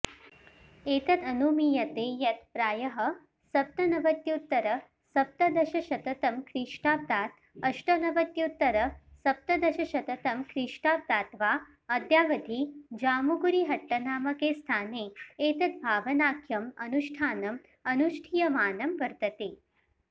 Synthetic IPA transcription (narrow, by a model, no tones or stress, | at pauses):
eːt̪ɐt̪ɐnuːmijɐt̪eːjɐt̪̚pɾaːjɐɦɐ̆ | sɐp̚t̪ɐnɐʋɐt̪jut̪ːɐɾɐ | sɐp̚t̪ɐd̪ɐʃɐʃɐt̪ɐt̪ɐmkɾiʂʈaːpɾaːt̪̚ | ɐʃʈʰɐnɐʋɐt̪jut̪ːɐɾɐsɐp̚t̪ɐd̪ɐʃɐʃɐt̪ɐt̪ɐmkɾiʂʈaːpɾaːt̪ʋaː | ɐd̪jaːʋɐd̪ʱiːd͡ʒaːmuɡuɾiɦɐʈːɐnaːmɐkeːst̪ʰaːneːeːt̪ɐt̪̚bʱaːʋɐnaːkʰjɐmɐnuʃʈʰaːnɐm | ɐnuʃʈʰijɐmaːnɐmʋɐɾt̪ɐt̪eː